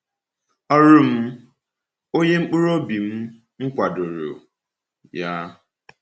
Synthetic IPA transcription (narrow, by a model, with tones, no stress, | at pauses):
ɔ˦ɾʊ˦m̩˦ | o˦ɲe˦ŋ͡m̩˦k͡pu˦ɾo˦bi˨m̩˦ | ŋ̩˦kʷa˨do˨ɾo̰˨ | ja˦